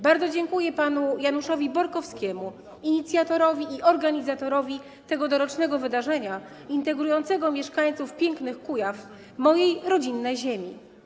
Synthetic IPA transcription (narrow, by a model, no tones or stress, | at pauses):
baɾd̪zɔd͡ʑɛŋkujɛpanujanuʂɔvʲibɔɾkɔfskʲɛmu | iɲit̪sʲjat̪ɔɾɔvʲiiʔɔɾɡaɲizat̪ɔɾɔvʲi | t̪ɛɡɔd̪ɔɾɔt͡ʂnɛɡɔvɘd̪aʐɛɲa | int̪ɛɡɾujɔnt̪sɛɡɔmʲjɛʂkaɲt̪sufpʲjɛŋknɘxkujaf | mɔjejɾɔd͡ʑinːɛjʑemʲḭ